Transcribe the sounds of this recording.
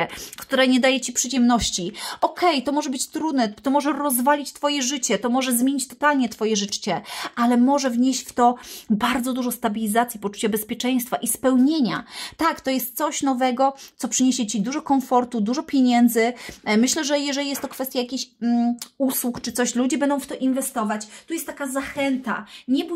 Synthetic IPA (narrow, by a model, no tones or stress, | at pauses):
ɛkt̪uɾaɲɛd̪ajɛt͡ɕipʂɘd͡ʑɛmnɔɕt͡ɕiʔɔkʰɛjt̪ɔmɔʐɛbɘt͡ɕt̪ɾud̪nɛt̪ɔmɔʐɛɾɔzvalʲit͡ɕt̪fɔjɛʐɘt͡ɕɛt̪ɔmɔʐɛzmʲjeɲit͡ɕt̪ɔt̪alɲɛt̪fɔjɛʐɘt͡ʂt͡ɕɛʔalɛmɔʐɛvɲeɕt͡ɕft̪ɔbaɾd̪zɔd̪uʐɔst̪abʲilʲizat̪sʲjipɔt͡ʂu̥t͡ɕabɛspʲjɛt͡ʂɛj̃st̪faʔispɛwɲeɲa̰t̪akt̪ɔjɛst̪̚sɔɕnɔvɛɡɔt̪ɔpʂɘɲeɕɛt͡ɕid̪uʐɔkɔnfɔɾt̪ud̪uʐɔpʲjeɲɛnd̪zɘmɘɕlɛʐɛjɛʐɛlʲijɛst̪ːɔkfɛst̪jajakʲiɕ | uswukt͡ʂɨt̪sɔɕlud͡ʑɛbɛnd̪ɔ̃w̃ft̪ɔʔinvɛst̪ɔvat͡ɕt̪ujɛst̪t̪ːakazaxɛnt̪a̰ɲɛb